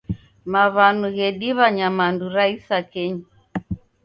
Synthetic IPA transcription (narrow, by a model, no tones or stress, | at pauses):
maβanuɣɛɗiβaɲamanduɾaisakɛɲa